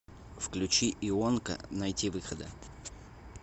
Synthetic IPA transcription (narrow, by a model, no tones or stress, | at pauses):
fklʲʉt͡ɕiʔɪonkə̰nɐjtʲivɨxəd̪ə